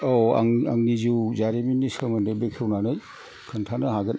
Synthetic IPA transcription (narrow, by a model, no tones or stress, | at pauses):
ɔa̰ŋaŋnizuzaɾiminisɯmɯndɯbekʰewnanɯj | kʰɯntʰanɯɦaɡɯn